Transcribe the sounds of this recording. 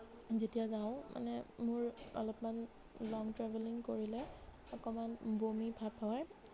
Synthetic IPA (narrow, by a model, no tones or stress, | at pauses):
zetijazaʊ̃mʔa̰nɛmʊɹɔ̰lɔpman | lɔŋtɹɛbʱɛliŋkoɹilɛ | ɔkɔmanbomibʱabpʰːawaɹ